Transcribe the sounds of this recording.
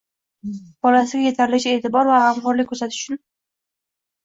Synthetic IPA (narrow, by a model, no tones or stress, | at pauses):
b̥ɒlasɪɡʲaje̞t̪ʰaɾlɪt͡ʃae̞ːt̪ʰɪbɒɾvahamqɒɾlɪk̚ʲʰːɵɾsat̪ɪʃʊ̥t͡ʃʰʊn